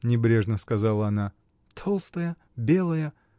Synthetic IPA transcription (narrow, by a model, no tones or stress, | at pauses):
nʲɪbɾʲe̞ʐnəskɐzalˠəɐna | t̪ʰo̞lˠst̪əjə | bʲe̞lˠəjə